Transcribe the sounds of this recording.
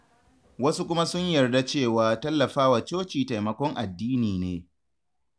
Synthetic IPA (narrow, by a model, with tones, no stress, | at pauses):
wɐ˦su˦kʷʊ˦ma˦sʊ˦ɲjɐ˨rda˦t͡ʃeː˦˨waː˨tɐ˦lːɐ˨ɸaː˦wa˨t͡ʃoː˦t͡ʃiː˨ta˨jmɐ˨kʷɔ˦ŋʔa˨dːiː˦niː˨neː˨